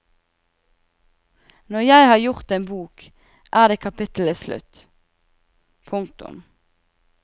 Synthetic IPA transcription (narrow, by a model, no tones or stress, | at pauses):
nɔʁjæɪhɑːʁjʊʁt̪eːnbuːk | ʔæːd̪eːkʰɑpʰɪt̪l̩əslʉ̰t̪ | pʰʊŋkt̪ʊ̰m